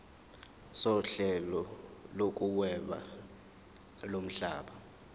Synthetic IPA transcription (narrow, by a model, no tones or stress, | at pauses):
sɔɬɛlɔlok̬ʼuwɛɓa̰ | lom̩ɬaːɓa